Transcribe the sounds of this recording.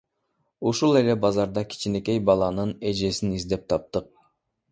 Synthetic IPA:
uʃulˠe̞lebɑzɑɾd̪ɑkʲʰi̥t͡ʃine̞kʲe̞jbɑlˠɑnɯne̞d͡ʒe̞sinizd̪e̞p̚t̪ʰɑp̚t̪ɯq̚

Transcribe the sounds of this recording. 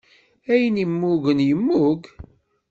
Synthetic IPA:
æjənimːuɣənjəmːuk

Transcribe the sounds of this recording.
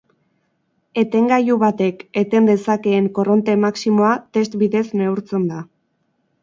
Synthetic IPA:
e̞t̪e̞ŋɡajuβat̪e̞ke̞t̪e̞nd̪e̞sake̞ːŋko̞ro̞nt̪e̞maksimo̞at̪e̞st̪biðe̞sne̞uɾt͡se̞nd̪a

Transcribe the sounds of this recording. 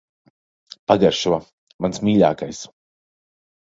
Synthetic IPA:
paɡaɾʃua | mansmiːʎʲa̰ːkajs

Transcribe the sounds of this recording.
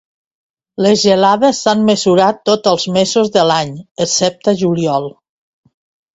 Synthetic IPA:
lezʒelaðesːanməzuɾat̪ːot̪əlˠzmezozðəlaɲəsɛp̚t̪əʒuliɔlˠ

